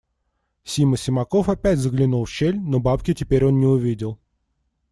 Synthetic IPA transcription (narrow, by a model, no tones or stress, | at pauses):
sʲiməsʲɪmɐko̞fɐpʲætʲzəɡlʲɪnulˠfɕelʲnobapkʲɪtʲɪpʲeɾʲo̞nnʲɪʊvʲidʲɪlˠ